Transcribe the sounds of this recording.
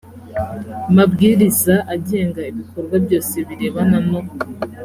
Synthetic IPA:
mabɡiːɾizaʔaɟe̞ːŋɡaiβikoɾɡwabɟo̞ːse̞βiɾeːβanano

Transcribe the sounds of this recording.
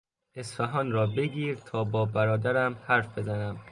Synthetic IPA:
ʔe̞sfæɦɒːnɾɒːbeɡiːɾt̪ʰɒːbɒːbæɾɒːd̪æɾæmhæɾfbe̞zænæm

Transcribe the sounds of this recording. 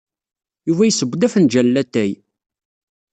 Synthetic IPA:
juvæjsəbʷːd̪æfənd͡ʒælːæt̪ːæj

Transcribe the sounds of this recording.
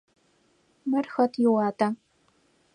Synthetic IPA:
mɐrxɐtʰjɪwɑːta

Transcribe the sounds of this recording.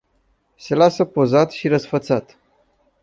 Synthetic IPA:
se̞lasəpo̞zat̪ʃiɾəsfət̪sat̪

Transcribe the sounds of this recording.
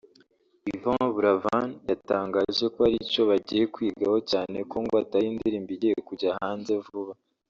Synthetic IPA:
ivaβuɾavanjataːŋɡaʒe̞koaɾico̞βaɟije̞kwiːɡaho̞caːne̞koŋɡoatajiːndiɾiːmbiɟijekuɟahaːnze̞vuβa

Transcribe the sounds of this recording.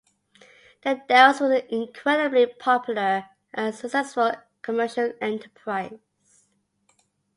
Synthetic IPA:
ðədɛswəzɪ̃nkʰɹ̥ɛdəblipʰɔpʰjl̩ə | ʔəsəksɛsfəl | kʰəmɜˑ˞ʃəlˠɛ̃ntʰəpʰɹ̥aɪ | z̥

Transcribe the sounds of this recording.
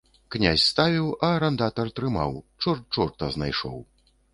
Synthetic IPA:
knʲa̰sʲst̪avʲiwɐɾɐnd̪at̪ɐrt̪ɾɨma̰wt͡ʂɔrt͡ʂɔrt̪ɐzna̰jʂɔ̰w

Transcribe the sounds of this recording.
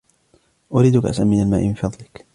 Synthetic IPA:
ʔʊɾiːd̪ʊkaʔa̰sʔamːɪnalmaːʔɪmɪnfɑðˤlɪk

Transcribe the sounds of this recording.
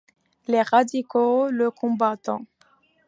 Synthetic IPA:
leʁad̪ikoləkʰɔ̃bat̪ɑ̰̃

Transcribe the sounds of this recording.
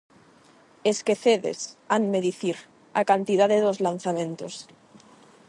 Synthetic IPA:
eskeθeðḛsanmeðiθiɾ | a̰kant̪ið̞aðeðozlan̟θamẽ̞nt̪os

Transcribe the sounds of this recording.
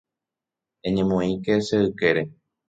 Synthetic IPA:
eɲẽmõĩkeseɨke̞ɾe̞

